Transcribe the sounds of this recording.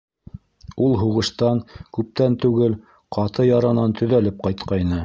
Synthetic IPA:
ulˠɦuʁɤ̆ʃt̪ɑŋkʉp̚t̪ænt̪ʉɡɘl | qɑt̪ɤjɑɾɑnɑnt̪ʰɵ̆ðælɘp̚qɑjt̪̚qɑjnɤ

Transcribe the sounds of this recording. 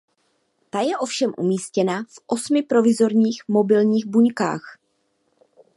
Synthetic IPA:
t̪ajɛʔo̞fʃɛmʔṵmiːscɛnafʔo̞smɪpɾo̞vɪzo̞ɾɲiːxmo̞bɪlɲiːɣbuɲka̰ːx

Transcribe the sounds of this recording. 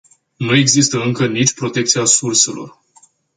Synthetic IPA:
nue̞ɡzist̪əɨŋkənit͡ʃʲpɾo̞t̪e̞k̚t̪siasurse̞lo̞̰r

